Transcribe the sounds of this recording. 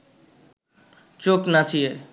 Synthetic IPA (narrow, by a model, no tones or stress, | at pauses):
t͡ʃoknat͡ʃʰije